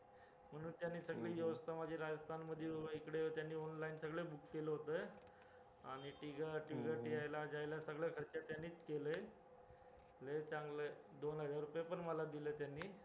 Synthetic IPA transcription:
m̤əɽ̃uːnt̪janːiːsəɡɭiːjeʋəst̪ʰamad͡ʑʱeɾad͡zəst̪ʰanməd̪ʱjeubəikɽet̪janːiːɔnlainsəɡɭebukːeləɦot̪əj | a̰ɽ̃iʈiɡaʈʋiɡəʈiajlad͡ʑajlasəɡɭjakʰəɾt͡ɕat̪janːiːt͡skelə | let͡sãŋɡləd̪onɦəd͡zaɾːupjepəɳməlad̪iləːt̪janːiː

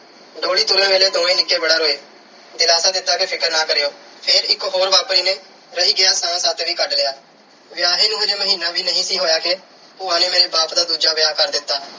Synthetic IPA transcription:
ɖoːɽiːt̪ʊɾə̃ːʋeːleːd̪oːɽ̃ĩːnɪkːeːbəɽaːɾoːeː | d̪ɪlaːsaːd̪ɪt̪ːaːkepʰɪkəɾnaːkəɾejoːpʰɪɾɪkɦoːɾʋaːpɽiːnẽː | ɾəɦiːɡɪjaːsãːsaːt̪ʋiːkəɖlɪːjaː | ʋɪjaːɦeːnũːeːɾeːməɦiːnaːbiːnəɦĩːsiːɦoːjaːkeː | pʊːãːnẽːmeːɾeːbaːpd̪aːd̪uːd͡ʒaːbɪjaːkəɾd̪ɪt̪ːaː

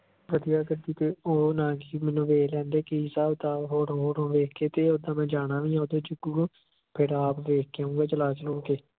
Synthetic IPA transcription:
ʋəd̪ijaːɡəd̪iːt̪eːoːnãːɡiːmɛ̃ːnũːʋeːlɛ̃ːnd̪eːkeisaːʊd̪aːɦoːɾɦoːɾõːʋeːkʰeːt̪eːod̪ãːmɛ̃ːd͡ʒaːɽãːʋĩːãːod̪õːd͡ʒʊɡuː | pʰɪɾaːpʋeːkʰːũːɡaːt͡ʃəlaːt͡ʃəlõːkeː

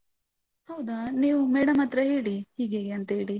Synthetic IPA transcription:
hɐwd̪ɐniːʋumeːɽɐmɐt̪ɾɐɦe̞ːɽihiːɡeːɡeɐnt̪ɐɦeːɽi

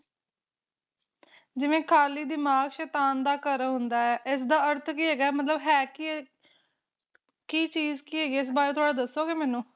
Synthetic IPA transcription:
d͡ʒɪʋẽːkʰaːliːd̪ɪmaːɡʃɛːt̪aːnd̪aːkəɾɦʊnd̪aːɛːʔɪs̬d̪aːəɾt̪ʰkiːɦɛːɡaːɛmət̪ləbɦɛːki | kiːt͡ʃiːzkiːɦɛːɡiːɪs̬baːɾeːt̪ʰoaːɽaːd̪əsoːɡeːmɛːnũː

